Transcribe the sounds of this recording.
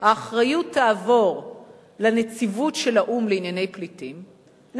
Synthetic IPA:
haːχʁajutʰːaːvo̞ʁ | lanet͡sivutʃelaʔumleinjane̞jplitim | n

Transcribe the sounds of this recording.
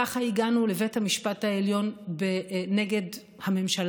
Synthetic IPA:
aχaiɡanulevethamiʃpathaeljo̞nbeneɡe̞d | hame̞mʃal

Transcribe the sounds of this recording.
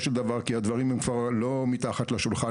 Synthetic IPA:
ʃeld̪avaʁkiad̪vaʁimhemkvaʁlo̞mit̪aχat̪leʃulχa

